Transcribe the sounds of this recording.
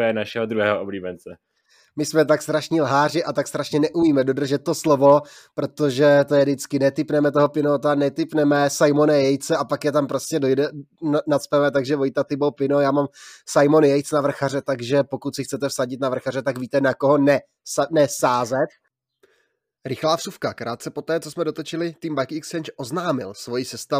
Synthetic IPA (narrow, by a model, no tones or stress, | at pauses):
jɛnaʃɛɦod̪ɾuɦɛːɦoʔobliːbɛnt͡sɛ | mɪsmɛt̪akst̪ɾaʃɲilɦaːr̝ɪʔat̪akst̪ɾaʃɲɛnɛʔumiːmɛdo̞dr̩ʒɛt̪̚tːo̞slovo̞ | pɾo̞t̪o̞ʒɛt̪ojɛdɪt͡skɪnɛt̪ɪpnɛmɛt̪̬oɦopɪnot̪anɛt̪ɪpnɛmɛsajmo̞najɛjt͡sɛʔapakjɛt̪ampɾo̞scɛdojdɛnat͡spɛmɛt̪aɡʒɛvojt̪at̪ɪbowpɪno̞jaːmamsajmo̞njɛjt͡snavr̩xarɛt̪aɡʒɛpo̞kut̪sɪxt͡sɛt̪ɛfsaɟɪt̪navr̩xarɛt̪aɡviːt̪ɛnakoɦo̞nɛ | snɛsaːzɛt̪̚ | ɾɪxlaːfsufkakɾʔaːt̪t͡sɛpo̞t̪ɛːt͡so̞smɛdot̪ot͡ʃɪlɪt̪iːmbakɪkst͡ʃɛnt͡ʃʔoznaːmɪlsvo̞jɪsɛst̪a